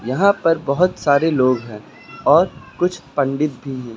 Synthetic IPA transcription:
jɐɦãpɐɾbɐɦʊt̪saːɾeloːɡɦɛ̃ː | ɔːɾkʊt͡ʃʰpɐ̃ɳɖɪt̪̚bʱiɦɛ̃ː

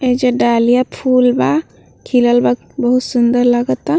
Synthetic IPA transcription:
ed͡ʒeɖaːlijapʰuːlba | kʰiləlba | bəɦut̪sʊnd̪əɾləɡət̪a

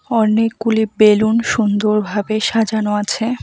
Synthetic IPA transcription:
ɔnekːulibelunʃund̪oɾbʱabeʃad͡ʑanoat͡ɕʰe

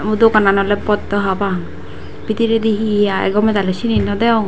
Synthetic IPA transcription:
mud̪okananɔlɛpɔt̪ːɔɦabaŋ | bit̪iɾɛd̪iɦijaɛ̰ɡɔmɛt̪alɛsininɔd̪ɛwŋ

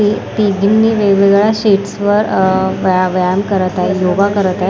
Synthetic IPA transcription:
ip̪iɡʱimniʋeɡeɡɭjaɕiʈsʋəɾʋʋjamkəɾət̪aejoʋakəɾət̪ae

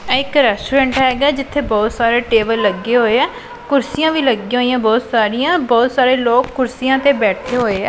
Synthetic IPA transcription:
ɛːɪkɾɛːsʈuːɾɛ̃ːɳʈɦɛːɡaːd͡ʒɪt̪ʰːeːbɔːt̪saːɾeːʈeːbəlːəɡːeːɦoːeːɛː | kʊɾsijãːʋiːləɡiːɦoːijãːbɔːt̪saːɾijãːbɔːt̪saːɾeːloːkːʊɾsijãːt̪eːbɛːʈʰeːɦoːeːɛː

